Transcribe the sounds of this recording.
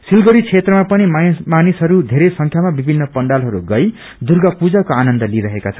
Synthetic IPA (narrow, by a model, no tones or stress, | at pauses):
silɡʌɾit͡sʰet̪rʌmapʌnimmanisɦʌɾud̪ʱeɾesʌŋkʰjamabibʱinːʌpʌɳɖalɦʌɾuɡʌj | d̪urɡʌpud͡zakoanʌnd̪ʌliɾʌɦekat͡sʰʌn